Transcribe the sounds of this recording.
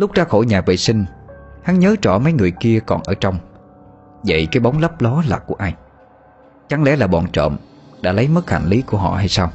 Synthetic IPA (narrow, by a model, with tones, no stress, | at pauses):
lʊ˦˥k͡p̚ɗaː˨˦xo˧˩jɲaː˨˩vḛ˧˨sï˧ŋ̟ha˨˦nɲəː˨˦t͡ɕɔ˧˩mə˨˦jŋɨ˨˩əjki˧əkɔ˨˩nʔəː˧˩t͡ɕɔ˧wŋ͡m | və̰˧˨jkaː˨˦jɓa˨˦wŋ͡mlə˦˥p̚lɔ˨˦la̰ː˨˩kːu˧˩əʔaː˧j | t͡ɕa˨˩ŋlɛ̰˧˥laː˨˩ɓɔ˨˩nt͡ɕə̰ː˧˨m | ɗa̰ː˧˥lə˨˦jmə˦˥k̚ha̰˧˩jn̟li˨˦ku˧˩ɦɔ̰˧˨ha˧jsaː˧w